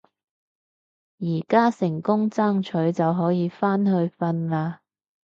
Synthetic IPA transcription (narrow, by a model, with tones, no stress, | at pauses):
jiː˨˩kaː˥sɪ˨˩ŋkʊ˥ŋt͡saː˥ŋt͡ʃʰɵ˨˥ɥt͡sɐ˨wɦɔː˨˥jiː˨˧faː˥nɦɵ˧ɥfɐ˧nlaː˧